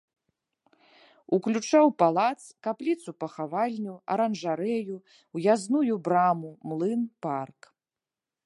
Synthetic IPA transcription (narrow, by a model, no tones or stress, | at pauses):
uklʲut͡ʂawpalˠat̪skaplʲit̪supɐxavalʲnʲuɐ̰ɾɐnʐaɾɛju | wjaznujubɾamumlˠɨnpark